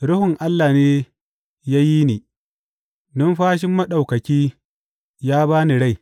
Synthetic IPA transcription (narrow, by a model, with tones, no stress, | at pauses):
ɽʊ˦hʊ˨ŋʔa˦lːaː˨neː˦ | jaː˦ji˦niː˨ | dʊ˦nɸaː˦ʃ̬ɪ˦mːɐ˦ɗa˨wkɐ˨kʲiː˦ | jaː˦baː˦ni˨ɽa˦˨j